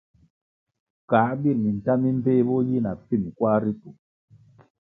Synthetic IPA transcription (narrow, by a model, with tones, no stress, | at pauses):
ka˨˦bi˦˨mi˨n̩˨ta˦mi˦m̩˦peː˦bɔ˦ji˦na˨pi˦˨m˨kwa˦ɾi˦tu˨